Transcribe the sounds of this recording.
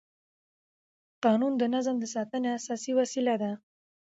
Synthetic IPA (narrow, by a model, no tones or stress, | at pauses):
qɑnund̪ənazmd̪əsɑt̪əneasɑsiwasilad̪a